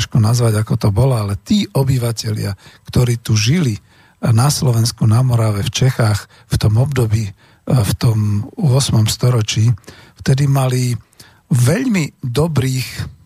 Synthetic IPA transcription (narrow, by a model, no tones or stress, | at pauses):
ʃkɔnazʋaɟakɔt̪ɔbɔlɔalɛt̪iːʔɔbiʋacɛʎɪakt̪ɔɾiːt̪uʒili | naslɔʋɛnskunamɔɾaʋɛft͡ʃɛxaːx | ft̪ɔmɔbd̪ɔbiː | ft̪ɔmʊɔsmɔmst̪ɔɾɔt͡ʃiːft̪ɛd̪imali | ʋɛʎmid̪ɔbɾiːx